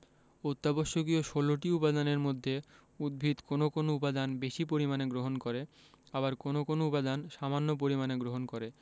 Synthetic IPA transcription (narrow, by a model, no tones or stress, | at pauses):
ot̪ːaboʃːokioʃoloʈiupad̪aneɾmod̪ʱːe | ud̪̚bʱit̪konokonoupad̪anbeʃipoɾimaneɡɾoɦonkoɾe | aβaɾkonokonoupad̪anʃamanːop̬oɾimaneɡɾoɦonkoɾe